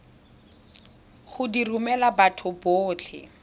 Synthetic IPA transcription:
χʊdirumɛlabatʰʊboːt͡ɬʰɪ̰

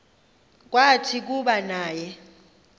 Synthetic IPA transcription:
k̬ʼwatʰik̬uɓanaːjɛ

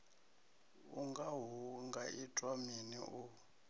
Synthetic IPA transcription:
uŋɡaɦuŋɡaʔitʼwaminḭʔu

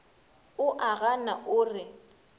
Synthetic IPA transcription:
ʊʔaɣanaʔʊːrɪ

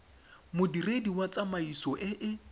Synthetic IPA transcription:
mʊdirediwat͡sʼamaisɔʔɪʔɪ

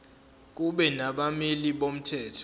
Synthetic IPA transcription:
k̬uɓɛnaɓamiliɓom̩tʰɛːtʰɔ̥

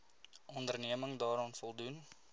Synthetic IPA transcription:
ʔɔndərniəməŋdɑːɾɑːnfɔlˠdun

